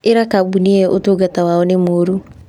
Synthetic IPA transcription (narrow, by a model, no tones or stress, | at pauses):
eɾakabuniɛʔotoːɡatawaɔnemoːɾu